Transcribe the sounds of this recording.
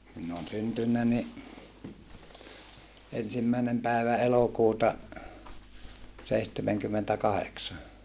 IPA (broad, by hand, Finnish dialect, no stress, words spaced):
minː oːn syntynːæ ni ensimːæˑenem pæˑeʋæ elokuːtɑ seihtemeŋkymːentækɑheksɑ